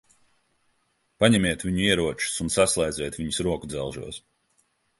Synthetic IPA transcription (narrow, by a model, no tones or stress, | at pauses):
paɲɛmiɛt̪vʲiɲuiɛɾuɔt͡ʃu̥sunsaslˠɛjd̪zʲɛt̪vʲiɲusɾuɔkud̪zɛlˠʒṵɔs